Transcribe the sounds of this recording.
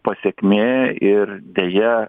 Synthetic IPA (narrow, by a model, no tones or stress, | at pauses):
pɐsʲekʲmʲeːɪɾd̪ʲeːjɛ